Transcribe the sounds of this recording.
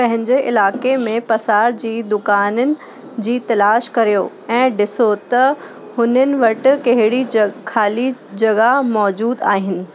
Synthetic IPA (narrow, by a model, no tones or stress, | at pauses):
pɐ̃ɦɪ̃ɲd͡ʑeʔɪ̰laːkemẽpɐsaːɾd͡ʑiːd̪ʊkaːnənɪ̆ | d͡ʑiːt̪ɐlaːʃkɐɾijo | ɛ̃ːɖɪsot̪ɐ | hʊnənɪ̆ʋɐʈɪ̆kɐɦɪɽikʰaːlid͡ʑɐɡamɔːd͡ʑuːd̪aːɦɪnɪ̆